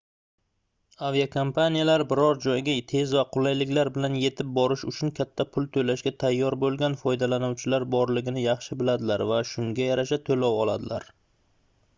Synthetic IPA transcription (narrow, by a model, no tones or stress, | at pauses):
avijakʰompʰanijalaɾbɪɾɒɾd͡ʒɒjɡʲat̪ʰe̞zvaqʰʊlˠajlɪkʲlaɾbɪlanje̞t̪ʰɪp̚bɒɾɪʃʊt͡ʃʰʊnkʲʰat̪ʰːapʰʊlˠt̪ʰɵlaʃɡʲat̪ʰajːɒɾbolˠɡʲanfɒjd̪alanʊwt͡ʃʰɪlaɾbɒɾlɪɡʲɪnɪjɑχʃɪbɪlad̪ɪlaɾvaʃʊŋɡʲajaɾaʃat̪ʰolawɒlˠa̰d̪ɪla̰ɾ